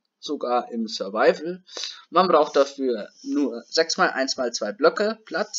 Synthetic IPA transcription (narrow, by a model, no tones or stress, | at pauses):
z̥oɡaːɐʔɪmsœɐvaɪvl̩manbʁaʊxt̚d̥afyːɐnuːɐzɛksmaːlʔa̰ɪnsmaːlt͡sv̥aɪblœkəpʰl̥at͡s